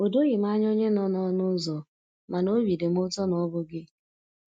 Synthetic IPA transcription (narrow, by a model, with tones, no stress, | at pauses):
o˨do˦ɣɪ˨m̩˦a˦ɲ˦o˦ɲe˦nɔ˦nɔ˦nʊ˦zɔ˨ | ma˨no˦wi˨de˨m̩˦ʊ˦tɔ˦nɔ˦bʊ˦ɡɪ˦